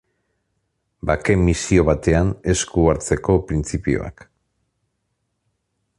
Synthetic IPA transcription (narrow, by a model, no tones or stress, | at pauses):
bake̞mːisio̞βat̪e̞ane̞skuaɾt͡se̞ko̞pɾint͡sipio̰a̰k